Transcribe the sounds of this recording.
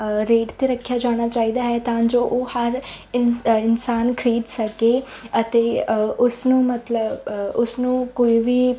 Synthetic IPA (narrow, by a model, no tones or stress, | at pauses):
ɾeːʈt̪eːɾəkʰːjaːd͡ʒaːɽ̃aːt͡ʃaːiːd̪aːɦɛːt̪ãːd͡ʒoːʔoːhəɾ | ɪnɪnsaːnkʰəɾiːd̪səkeː | ət̪eːʊsnũːmət̪ləbʊsnũːkoːiʋiː